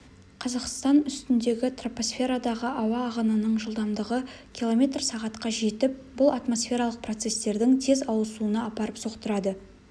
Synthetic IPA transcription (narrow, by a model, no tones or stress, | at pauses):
qʰɑzɑqst̪ɑnʏst̪ɪnd̪e̞ɡʲɪt̪ropo̞sfʲe̞ɾɑd̪ɑʁəʔɑwɑːʁənənəɴʒəlˠd̪ɑmd̪əʁəkʲʰilˠo̞mʲe̞t̪rsɑʁɑt̪qɑʒe̞t̪ɪp̚bʊlˠɑt̪mo̞sfʲe̞ɾɑlˠəq̚pro̞t̪se̞st̪e̞ɾd̪ɪŋt̪ʰe̞zɑwˠəsuənɑɑpɑɾəpso̞qt̪əɾɑd̪ə